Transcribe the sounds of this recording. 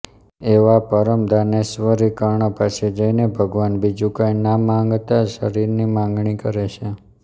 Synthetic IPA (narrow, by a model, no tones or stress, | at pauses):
eʋapəɾəmd̪ʱanesʋəɾikəɾɳəpaʃed͡ʒəinebʱəɡʋanbid͡ʒukajnamãŋɡt̪aʃəɾiɾnimãŋɡɳikəɾet͡ʃʰe